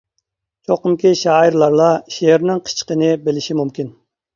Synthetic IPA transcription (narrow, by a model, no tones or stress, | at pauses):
t͡ʃʰoqəmkʲiʃɑːiɾlˠɑɾlˠɑʃeɾnɪŋqʰə̥t͡ʃʰə̥qənɪbelɪʃimumkʲin